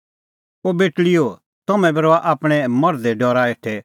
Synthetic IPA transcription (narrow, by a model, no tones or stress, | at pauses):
obeːʈɭɪjo | t̪ɐmɛ̃bɐɾoaʔaːpɽ̃ɛmɐɾd̪ɛɖɔːɾaeːʈʰɛ